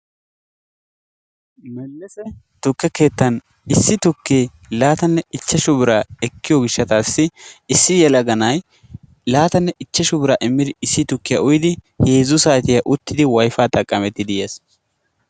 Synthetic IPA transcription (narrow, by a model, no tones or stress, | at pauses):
mɛlːɛsɛ | t̪ʊkːɛke̞ːt̪ːɐn | ɪsːɪt̪ʊkːeː | laːt̪ɐnːɛɪt͡ʃːɛʃʊbɪɾaːɛkːɪjɔɡɪʃːɐt̪aːsːɪɪsːɪjɛlɐɡɐnɐj | laːt̪ɐnːɛʔɪt͡ʃːɛʃʊbɪɾaːʔɪmːɪd̪ɪɪsːɪt̪ʊkːɪjɐ̰ʊjɪd̪ɪ | heːzʊsaːt̪ɪjɐʔʊt̪ːɪd̪ɪwɐjfaːt̪ʼɐkʼːɐmɛt̪ːɪd̪ɪjɐs